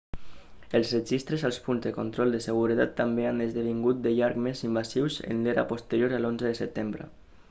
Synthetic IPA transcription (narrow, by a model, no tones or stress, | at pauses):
eəlˠzred͡ʒist̪ɾəzalˠspunzðəkont̪ɾɔlˠd̪əsəɣ̞uɾət̪at̪ːambeand̪əzðəβiŋɡut̪̚d̪əʎaɾkmezimbasiwzḛnleɾa̰post̪əɾjoɾəlonzəðəsət̪embɾə̰